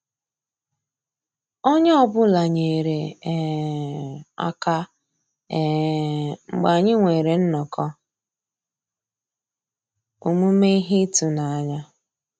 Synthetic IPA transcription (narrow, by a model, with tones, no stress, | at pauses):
o˦ɲe˦ɔ˦bʊ˦la˨ɲe˨ɾe˨ | a̰˨ka˦˨ | ŋ͡m̩˨ɡ͡ba˨ɲɪ˦ŋʷe˨ɾe˨n̩˦nɔ˨kʰɔ˦ | u˨mu˦me˦i˦ɦi˦tu˨na˨a˨ɲa˦